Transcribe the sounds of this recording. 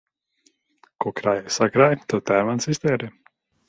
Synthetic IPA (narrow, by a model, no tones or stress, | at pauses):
kɔkɾajajsakɾajt̪ɔt̪æːmansist̪ɛːɾɛ